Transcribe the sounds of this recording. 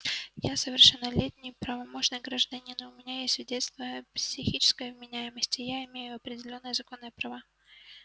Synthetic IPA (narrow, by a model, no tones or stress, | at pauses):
jasəvʲɪrʂɨnːəlʲetʲnʲɪjpɾəvɐmot͡ɕɪnɨjɡɾəʐd̪ɐnʲinʊmʲɪnʲajesʲt̪ʲvʲɪdʲest̪vʲəjəpsʲɪxʲit͡ɕɪ̥skəjəvmʲɪnʲæjɪməsʲtʲɪjaɪmʲejʊɐpɾʲɪdʲɪlʲo̞nːɨjəzɐko̞nːɨjəpɾɐva